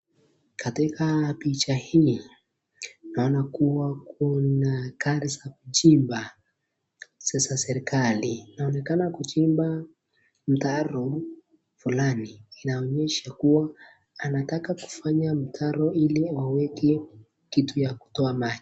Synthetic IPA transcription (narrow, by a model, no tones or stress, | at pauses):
katikapit͡ʃahi | naɔnakuwakunakaɾisakut͡ʃimba | sɛsasɛɾikalinaɔnɛkanakut͡ʃimba | m̩taɾɔ | fulaniːnaɔɲɛʃakuwaː | natakaku̥faɲam̩tʰaɾɔiliwawɛkɛ | kitujaku̥tɔamad͡ʒi